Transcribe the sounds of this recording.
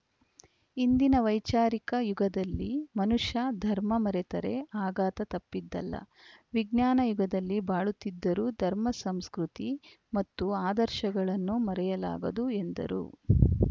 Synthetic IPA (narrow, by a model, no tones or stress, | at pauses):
ind̪inɐʋɐjt͡ʃaːɾikɐjuɡɐd̪ɐlːimɐnuʂɐd̪ʱɐɾmɐmɐɾɛt̪ɐɾeaːɡaːt̪ɐt̪ɐpːid̪ːɐ̰lːɐ̰ | ʋiɡnaːnɐjuɡɐd̪ɐlːibaːɭut̪ːid̪ːɐɾuːd̪ʱɐɾmɐsɐmskɾut̪i | mɐt̪ːuaːd̪ɐɾʃɐɡɐɭɐnːumɐɾɛjɐla̰ːɡɐd̪ue̞nd̪ɐ̰ɾṵ